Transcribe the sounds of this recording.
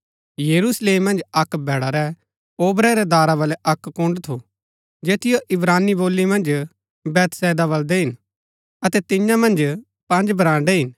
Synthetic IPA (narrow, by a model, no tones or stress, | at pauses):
jɐɾusleːmːɐ̃nd͡ʒɐkbʱɛːɽaɾɛ | oːbɾɛɾɛd̪aːɾabɐlɛʔɐkːʊ̃ɳɖt̪ʰo | d͡ʒeːt̪ɪjoʔɪbɾaːnːiboːlːimɐ̃nd͡ʒ | bɛːt̪sɛːd̪aβɐld̪ɛɦɪn | ɐt̪ɛt̪ɪ̃jãmɐ̃nd͡ʒ | pɐ̃nd͡ʒbʱɐɾãːɳɖeɦɪn